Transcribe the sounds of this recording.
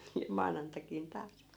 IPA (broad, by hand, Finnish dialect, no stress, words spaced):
jɑ mɑːnɑntɑkin tɑːs